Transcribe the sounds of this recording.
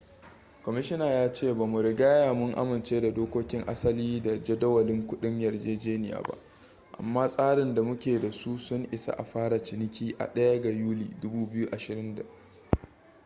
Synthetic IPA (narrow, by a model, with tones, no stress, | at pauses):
kʷɔ˨mɪ˦ʃɪ˦naː˨jaː˦t͡ʃeː˦˨baː˨mʊ˨ɾɪ˨ɡaː˦jaː˨mʊ˦ŋʔa̰˦mɪ˨nt͡ʃeː˦da˨doː˦kʷoː˦kʲɪ˦ŋʔa̰˦sɐ˦liː˦da˨d͡ʒɐ˦dɐ˦wɐ˨lɪ˦ŋkʷʊ˦ɗɪ˦ɲjɐ˨rd͡ʒeː˦d͡ʒeː˦nɪ˨ja̰ː˨ba̰˦ʔ | ʔa̰˨mːaː˦sʼaː˦ɽɪ˨nda˨mʊ˦kʲeː˨da˨su˦sʊ˦ŋʔɪ˨sa̰˦˨ʔa˨ɸaː˦ɽa˨t͡ʃɪ˨nɪ˦kʲiː˦ʔa̰˨ɗɐ˦ja˦ɡa˨juː˦liː˨dʊ˦buː˦bɪ˦ju˦ʔa˨ʃɪ˨ɾɪ˦nda̰˨